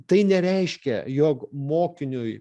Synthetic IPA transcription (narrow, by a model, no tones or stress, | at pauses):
t̪ɐɪnʲɛɾʲɛɪʃʲkʲɛ̰joːkmoːkʲɪnʲʊj